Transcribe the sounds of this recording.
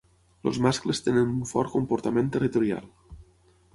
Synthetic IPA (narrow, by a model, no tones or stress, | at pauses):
lo̰zmasklest̪enenuɱfɔɾkompoɾt̪amẽnt̪erit̪uɾja̰lˠ